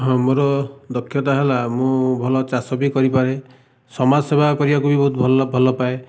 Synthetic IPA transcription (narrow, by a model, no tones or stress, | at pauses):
ɦɔ̃moɾɔd̪ɔkʰːjɔt̪aɦelamũbʱɔlɔt͡ʃasɔbikɔɾipaɾe | sɔmasebʱakɔɾibakubibɔɦut̪ʰbʱɔlbʱɔlɔpae